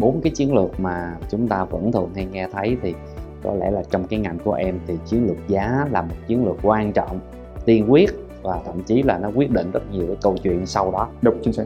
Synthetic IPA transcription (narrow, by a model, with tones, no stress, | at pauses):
ɓo˨˦nkaː˨˦jt͡ɕi˨˦ənlɨ˨˩ək̚maː˨˩t͡ɕʊ˨˦ŋ͡mt̪aː˧və̰˧˥nt̪ʰɨ˨˩əŋha˧jŋɛ˧t̪ʰə˨˦jt̪ʰi˨˩ | kɔ̰˨˦lɛ̰˧˩laː˨˩t͡ɕɔ˧wŋ͡mkaː˨˦jŋa˨˩jŋ̟ku˧˩əʔɛ˧mt̪ʰi˨˩t͡ɕi˨˦ənlɨ˨˩ək̚zaː˨˦laː˨˩mo˨˩t̚t͡ɕi˨˦ənlɨ˨˩ək̚kwaː˧nt͡ɕɔ̰˧˨wŋ͡m | t̪i˧ənkwi˦˥ət̚ | vaː˨˩t̪ʰə̰˧˨mt͡ɕi˨˦laː˨˩nɔ˨˦kwi˦˥ət̚ɗḭ˧˨nzə˦˥t̚ɲi˨˩əwkaː˨˦kə˧wt͡ɕwḭ˧˨ənsa˧wɗɔ˨˦ɗə˧˦wt͡ɕi˨˦n˧˦